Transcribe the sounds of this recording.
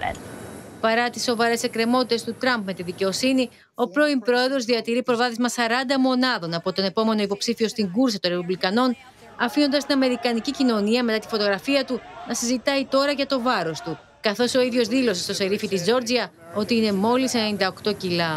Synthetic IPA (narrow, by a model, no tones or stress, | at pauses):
pɐɾɐt̪isːo̞vɐɾe̞se̞kɾe̞mo̞t̪it̪e̞st̪ut̪ɾɐmb̚me̞t̪iðice̞o̞sini | o̞pɾo̞impɾo̞e̞ðɾo̞zðiɐt̪iɾipɾo̞vɐðizmɐsɐɾɐnd̪ɐmo̞nɐðo̞nɐpo̞t̪o̞ne̞po̞me̞no̞ipo̞psifio̞st̪iŋɡuɾsɐt̪oɾepublikɐno̞n | ɐfino̞nd̪ɐst̪inɐme̞ɾikɐnicicino̞niɐme̞t̪ɐt̪i̥fo̞t̪o̞ɣɾɐfiɐt̪unɐsizit̪ɐit̪o̞ɾɐʝɐt̪o̞vɐɾo̞st̪u | kɐθo̞so̞iðʝo̞zðilo̞se̞st̪o̞se̞ɾifit̪izd͡ʒo̞ɾd͡ziɐ | o̞t̪iine̞mo̞lisennind̪ɐo̞kt̪o̞cilɐ